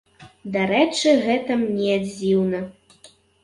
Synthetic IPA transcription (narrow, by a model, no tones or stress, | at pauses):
d̪aɾɛt͡ʂɨɣɛt̪ɐmnʲɛad͡zʲiwnɐ